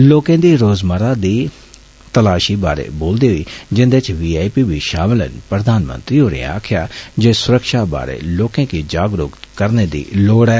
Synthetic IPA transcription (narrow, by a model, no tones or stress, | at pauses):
loːkẽd̪iɾoːzməɾad̪i | t̪ɐlaːʃibaːɾḛboːld̪iɦoid͡ʒɪ̃nd̪et͡ʃʋiːaːipibʱiʃaːmɪlə̰npɾəd̪ʱaːnmə̰nt̪ɾioɾḛ̃a̰ːkʰjad͡ʒeːsʊɾəkʃaba̰ːɾḛloːkẽkid͡ʒaːɡɾʊ̰ːkt̪kəɾned̪ḭːloːɽɛː